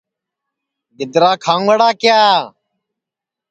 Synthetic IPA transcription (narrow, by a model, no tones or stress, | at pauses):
ɡɪd̪ɾaːkʰãːʋəɽaːkɪjaː